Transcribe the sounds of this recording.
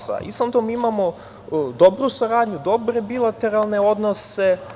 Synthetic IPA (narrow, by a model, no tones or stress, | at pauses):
a̰ʔḭsant̪omimamo̞ | d̪o̞bɾusaɾaːd̪ɲud̪o̞bɾe̞bilˠat̪e̞ɾalˠne̞o̞d̪nose̞